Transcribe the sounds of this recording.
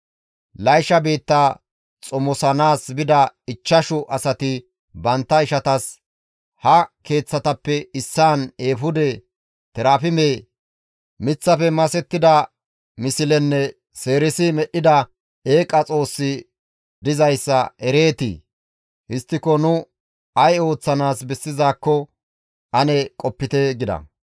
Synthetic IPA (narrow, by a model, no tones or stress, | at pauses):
lɐjʃɐbiːt̪ːa | t͡sʼɔmɔsɐnaːsbɪd̪ɐɪt͡ʃːɐʃʊʔɐsɐt̪ɪ | bɐnt̪ːɐɪʃɐt̪ɐs | hɐke̞ːt͡sːɐt̪ɐpːɛɪsːaːne̞ːfʊd̪ɛ | t̪ɛɾaːfɪmeː | mɪt͡sːɐfɛmɐsɛt̪ːɪd̪ɐ | mɪsɪlɛnːɛ | se̞ːɾɪsɪmɛʔɪd̪ɐ | eːkʼːɐt͡sʼo̞ːsːɪ | d̪ɪzɐjsːɐʔɛɾe̞ːt̪ḭ | hɪst̪ːɪkɔnʊ | ɐjo̞ːt͡sːɐnaːsbɛsːɪzaːkːɔ | ʔɐnɛkʼɔpːɪt̪ɛɡɪd̪ɐ̰